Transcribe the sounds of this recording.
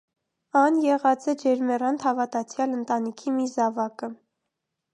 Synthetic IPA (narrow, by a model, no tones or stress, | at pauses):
ɑnjɛʁɑt͡sɛd͡ʒɛɾmɛrɑnt̪hɑvɑt̪ɑt͡sʰjɑlənt̪ɑnikʰimizɑvɑkə